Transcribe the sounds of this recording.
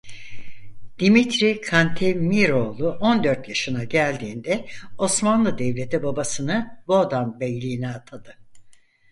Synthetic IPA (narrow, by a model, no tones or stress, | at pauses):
d̪̥imit̪ʰɾikʰant̪ʰemiɾo̞lˠuʔo̞nd̪ø̞ɾt̪jaʃɯnaɟælʲd̪iːnd̪ɛo̞smanlˠɯd̪ɛvlʲe̞t̪ʰibabasɯnɯbo̞d̪anbɛjlʲiːinɛat̪ʰad̪ɯ